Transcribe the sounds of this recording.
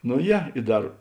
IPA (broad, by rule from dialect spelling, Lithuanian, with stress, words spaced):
noː ˈjɛ ɪ ˈdɐr